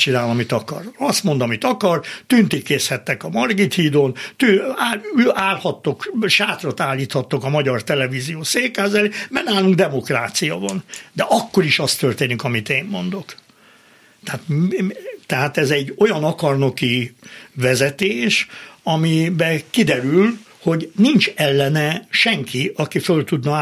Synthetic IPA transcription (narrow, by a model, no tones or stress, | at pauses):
t͡ʃinaːlɒmit̪ɒkɒ̰rɒst̪mo̞nd̪ɒmit̪ɒkɒrt̪ynt̪ikːeːshɛt̪ːɛkɒmɒrɡit̪hiːd̪oːnt̪yaaːlhɒt̪ːokʃaːt̪rot̪aːlːiːt̪hɒt̪ːokɒmɒɟɒrt̪ɛlɛvizijoːseːkːaːzɛlimɛrnaːluŋɡd̪ɛmo̞kraːt̪sijɒ̰vɒnd̪ɛʔɒkːo̞ɾiʃɒst̪ørt̪eːnikɒmit̪eːmːo̞nd̪o̞k | t̪ɛaːt̪ | t̪ɛɦaːt̪ɛzɛɟːo̞jɒnɒkɒrno̞kivɛzɛt̪eːʃɒmibɛkid̪ɛɾyl | ho̞ɟnint͡ʃɛlːɛnɛʃɛŋkʰiɒkifølt̪ud̪nɒ